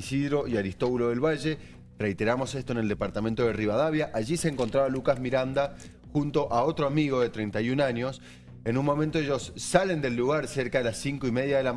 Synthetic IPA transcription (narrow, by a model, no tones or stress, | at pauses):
isiðɾo̞ʔiaɾist̪o̞βuloðe̞lβaʒe̞ | re̞jt̪e̞ɾamo̞se̞st̪oeneld̪e̞paɾt̪ament̪o̞ðeriβaðaβjaʔaʒiseːŋko̞nt̪ɾaβalukazmiɾand̪a | xunt̪o̞ʔao̞t̪ɾoamiɣ̞o̞ðe̞t̪ɾejnt̪ajunaɲo̞s | enunmo̞mẽnt̪oeʒo̞sːale̞nd̪e̞lːuɣaɾseɾkaðelasiŋkoime̞ðjaðe̞la